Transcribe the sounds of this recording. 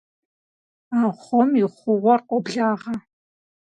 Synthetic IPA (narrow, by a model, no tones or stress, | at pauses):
aːχʷɔmɪχʷʊʁʷɔrqʷʼɔbɮaːʁɐ